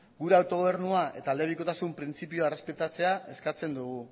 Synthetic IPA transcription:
ɡuɾe̞awt̪o̞ɣ̞o̞β̞e̞ɾnuaʔe̞̰t̪aːld̪e̞βiko̞t̪asumpɾint͡sipioere̞spe̞t̪at͡se̞ae̞skat͡se̞nd̪uɣ̞u

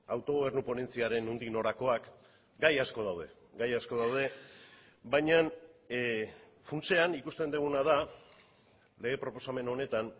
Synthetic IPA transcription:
awt̪o̞ɣ̞oβ̞e̞ɾnupo̞ne̞nt͡siaɾe̞nund̪ino̞ɾako̞ak | ɡajasko̞ð̞awðe̞ | ɡajasko̞ðawð̞e̞ | bajɲan | funt͡se̞anikust̪e̞nd̪eɣ̞unað̞a | le̞ɣe̞pɾo̞po̞same̞no̞ne̞t̪an

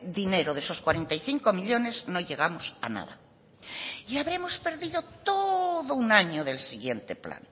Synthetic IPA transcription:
d̪ine̞ɾoðesoskwaɾent̪ajθiŋkomiʎone̞znoʎeɣ̞amosa̰na̰ða̰ | iaβɾe̞mospe̞ɾðiðot̪oðounaɲoðe̞lsiɣje̞nt̪epla̰n

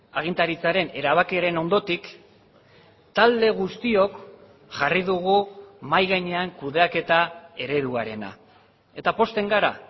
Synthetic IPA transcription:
aɣ̞int̪aɾit͡saɾe̞ne̞ɾaβ̞akiaɾe̞no̞nd̪o̞t̪ik | t̪ald̪e̞ɣust̪io̞k | ʝariðuɣumajɣajɲe̞aŋkuðe̞ake̞t̪ae̞ɾe̞ðuaɾe̞na̰ | e̞t̪apo̞st̪e̞ŋɡaɾa̰

